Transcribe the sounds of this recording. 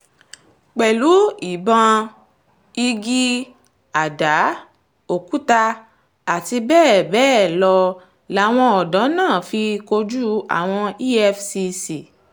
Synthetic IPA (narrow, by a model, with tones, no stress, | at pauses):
k͡pɛ˨lu˨˦i˨bã˧ | i˧ɡi˦ | a˨da˨˦ | o˨ku˨˦ta˧ | a˨ti˧bɛː˦˨bɛː˦˨lɔ˧ | la˨˦w̃ɔ̃˧ɔ˨dã˨˦nãː˦˨fi˧ko˧d͡ʒu˦a̰˦˨w̃ɔ̃˧i˦ɛ˧fsi˧si˨